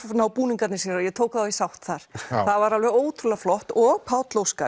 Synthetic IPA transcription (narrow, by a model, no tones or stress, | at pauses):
nawpuːniŋkat̪nɪsɛɾɔjɛt̪ʰoːwkðaaisawht̪θaɾ̥θavaɾalvɛðoːwt̪ʰɾulaflɔht̪ɔɣpʰawt̪lowska